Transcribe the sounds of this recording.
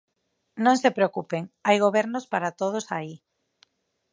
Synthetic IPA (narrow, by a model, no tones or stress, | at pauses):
nõŋsepɾeokupeŋajɣ̞oβɛɾnospaɾat̪oð̞osai